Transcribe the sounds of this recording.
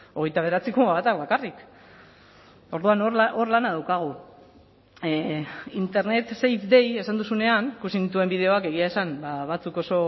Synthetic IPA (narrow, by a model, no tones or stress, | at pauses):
o̞ɣ̞e̞jt̪aβe̞ɾat͡sikumaβat̪akβakarik | o̞ɾðuanoɾaʔo̞ɾlanaðawkaɣ̞u | int̪e̞ɾne̞t̪se̞jt̪d̪e̞je̞sand̪usune̞anikusinit̪ue̞mbið̞e̞o̞ake̞ɣ̞iae̞sanbaβat͡suko̞so̞